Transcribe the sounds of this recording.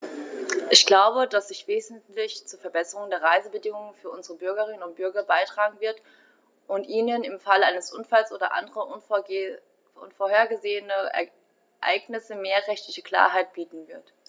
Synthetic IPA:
ʔɪçɡ̥laʊbədasz̥ɪçv̥eːzn̩tlɪçt͡suːɐfɛɐbɛsəʁʊŋndeːɐʁaɪzəbədɪŋʊŋənfyːɐʔʊnzəʁəbʏɐɡɐʁ̞ɪnənʊnt̚b̥ʏɐɡɐbaɪtʁ̥aːɡŋ̩vɪɐt | ʔʊntʔiːnənɪmfalʔaɪnəsʔʊnfalsʔoːdɐ̰ʔa̰ndəʁɐʔʊn | ʔʊ̰nfoːɐheːɐɡəzeːənəɛ̰ | ʔa̰ɪɡnɪsəmeːɐʁɛçtlɪçəkl̥a̰ːɐɦaɪt̚b̥iːtn̩vɪɐt

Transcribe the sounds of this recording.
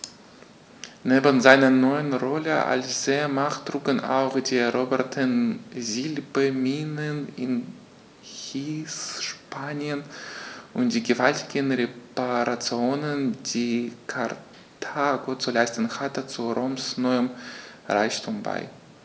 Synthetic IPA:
neːbənzaɪnɐnɔʏənʁɔləʔa̰lsz̥emaχtʁ̥uːɡəna̰ʊxd̥iːɛʁoːbɛɐtʰənzilbəmiːnənɪn | hiːsʃpaːnjənʔʊnt̚d̥iːɡəvaltʰɪɡənʁepaʁat͡sjoːnənd̥iːkʰaʁ | tʰaːɡot͡sulaɪstən̩hatət͡suʁoːmsnɔʏəm | ʁaɪçtʰuːmba̰ɪ

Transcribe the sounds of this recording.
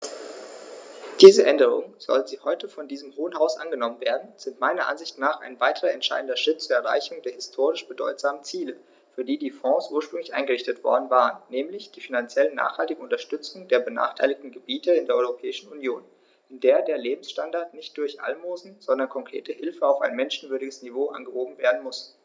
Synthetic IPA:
d̥iːzəʔɛndəʁ̞ʊ̰ŋənz̥ɔ̰lənziːhɔʏtəfɔndiːzəmhoːənhaʊsʔa̰nɡənɔmənveːɐdn̩z̥ɪntmaɪnɐʔa̰nzɪçtnaːχa̰ɪnvaɪtʰəʁɐɛntʃa̰ɪdn̩dɐʃʁ̥ɪt̚t͡suːɐɛɐʁa̰ɪçʊŋdeːɐhɪstʰoːʁ̞ɪʃb̥ədɔ̰ʏtz̥aːmənt͡siːlə | fyːɐdiːdiːfɔ̃ːsʔuːɐʃpʁ̥ʏŋlɪçʔa̰ɪnŋɡəʁɪçtətv̥ɔ̰ɐdn̩vaːʁənːɛːmlɪçd̥iːfinant͡sjɛlənːa̰ːχhaltɪɡŋ̩ʊntɐʃtʏt͡sʊŋdeːɐbəna̰ːχtʰaɪlɪçtn̩ɡəbiːtəɪndeːɐɔʏʁopʰɛːɪʃn̩unjoːn | ʔɪndeːɐdeːɐleːbm̩sʃtandaɐtnɪçt̚d̥ʊɐçʔa̰lmoːzn̩z̥ɔndɐnkʰɔŋkʁ̥ḛːtəhɪlfəaʊfaɪnmɛnʃn̩vʏɐɾɪɡəsnivoːʔa̰nɡəhoːbm̩veːɐdn̩mʊs

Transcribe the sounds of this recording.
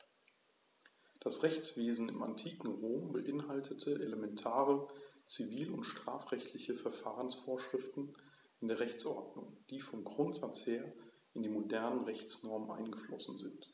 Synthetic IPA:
d̥asʁɛçt͡sv̥eːzn̩ɪ̰ma̰ntʰiːkŋ̩ʁoːmbəʔɪnɦaltʰətʰəʔeləmɛntʰaːʁət͡siviːlʊntʃtʁ̥aːfʁ̥ɛçtʰlɪçəfɛɐfaːʁənsfoːɐʃʁ̥ɪftn̩ | ɪndeːɐʁɛçt͡sʔɔɐdnʊŋd̥iːfɔmɡʁʊntz̥at͡sheːɐ | ʔɪndiːmodɛɐnənʁɛçt͡snɔɐmənʔa̰ɪnɡəflɔsn̩zɪnt

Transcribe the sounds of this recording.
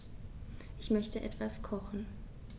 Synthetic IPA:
ʔɪçmœçtəʔɛ̰tv̥askʰɔχn̩

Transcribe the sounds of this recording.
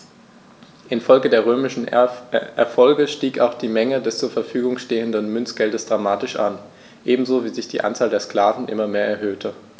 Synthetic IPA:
ʔɪnfɔlɡədeːɐʁ̞øːmɪʃn̩ʔɛɐfɔlɡəʃtiːkaʊxd̥iːmɛŋədɛst͡suːɐfɛɐfyːɡʊŋʃteːəndənmʏnt͡sɡ̥ɛldəsd̥ʁamaːtɪʃʔan | ʔeːbm̩zoːviːzɪçd̥iːʔa̰nt͡saːldeːɐskl̥aːvn̩ʔɪ̰mɐmeːɐɛɐɦøːtʰə

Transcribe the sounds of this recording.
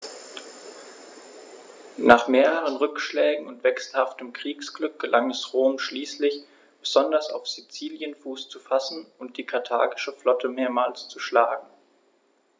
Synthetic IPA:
naːχmeːʁəʁ̞ənʁʏkʃlɛːɡŋ̩ʊntv̥ɛksl̩haftəmkʁ̥iːksɡ̥lʏk̚ɡ̥əlʔaŋɛsʁoːmʃliːslɪç | b̥əzɔndɐsa̰ʊfz̥it͡siːljənfuːst͡sufasn̩ʊnt̚d̥iːkʰaɐtʰa̰ːɡɪʃəflɔtʰəmeːɐmaːlst͡suʃlaːɡŋ̩

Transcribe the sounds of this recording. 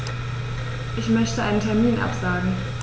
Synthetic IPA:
ʔɪçmœçtəʔaɪnəntʰɛɐmiːnʔa̰pz̥aːɡŋ̩

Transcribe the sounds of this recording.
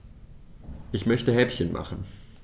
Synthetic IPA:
ʔɪçmœçtəɦɛpçənmʔa̰χn̩

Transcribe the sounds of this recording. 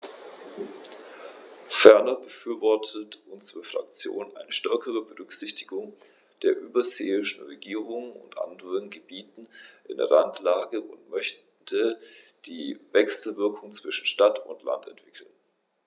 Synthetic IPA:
fɛɐnɐbəfyːɐvɔɐtʰətʔʊnzəʁəfʁ̥a̰kt͡sjo̰ːnʔa̰ɪnəʃtɛɐkəʁəbəʁʏkz̥ɪçtɪɡʊŋ | d̥eːɐʔyːbɐzeːɪʃn̩ʁeɡiːʁʊŋənʊ̰ntʔa̰ndəʁənɡəbiːtn̩ʔɪ̰ndɛ̰ʁantʰlaːɡəʔʊntmœç | tʰəd̥iːvɛksl̩vɪɐkʰʊŋt͡sv̥ɪʃn̩ʃtatʊ̰ntla̰ntɛ̰ntv̥ɪkʰl̩n

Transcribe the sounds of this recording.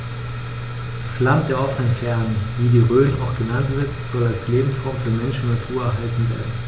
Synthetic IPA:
d̥aslant̚d̥eːɐʔɔfənənfɛɐnənviːdiːʁøːna̰ʊxɡ̥ənantv̥ɪɐtz̥ɔlalsleːbm̩sʁ̥aʊmfyːɐmɛnʃn̩nːatʰuːɐɛɐɦaltn̩vḛːɐdn̩

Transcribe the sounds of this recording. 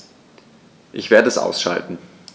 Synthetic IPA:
ʔɪçv̥eːɐdəɛsʔa̰ʊsʃa̰ltn̩

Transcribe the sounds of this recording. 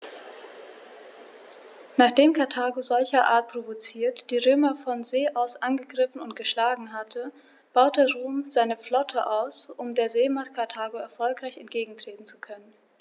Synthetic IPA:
naːχd̥eːmkʰaɐtʰaːɡozɔlçɐʔa̰ːɐt̚pʁ̥ovot͡siːɐtd̥iːʁøːmɐfɔnzeːʔaʊsʔanɡəɡʁɪfn̩ʊntɡ̥əʃlaːɡŋ̩ɦatʰə | b̥aʊt̚d̥eːɐʁuːmzaɪnəflɔtʰəʔaʊsʔʊmdeːɐzeːmat̚kʰaɐtʰaːɡoɛɐfɔlkʁaɪçɛntɡ̥eːɡŋ̩tʁ̥eːtn̩t͡su̥kʰœnən

